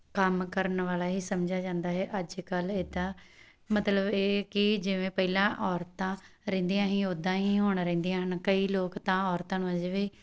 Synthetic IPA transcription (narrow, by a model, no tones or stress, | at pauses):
kəmkəɾənʋaːlaːɦiːsəmd͡ʒaːd͡ʒãːnd̪aːɦɛːʔəd͡ʒkəleːd̪ãː | mət̪ləbeːkɪd͡ʒɪʋẽːpəilãːʔɔːɾt̪ãː | ɾɛ̃ːnd̪iːãːɦĩːod̪ãːɦĩːɦoːɳɾɛ̃ːnd̪ijãːɦənkəiːloːkt̪ãːɔːɾt̪ãːñːəd͡ʒʋiː